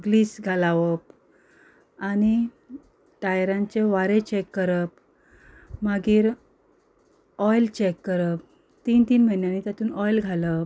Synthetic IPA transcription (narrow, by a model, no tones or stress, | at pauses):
ɡliːsɡʱalaʋəp̚ | añi | ʈajɾãɲt͡ɕeʋaɾet͡ɕekːəɾəp | maɡiːɾ | ɔjlt͡ɕekːəɾəp̚ | t̪iːnt̪iːnməinjanit̪jat̪uːnɔjlɡʱaləp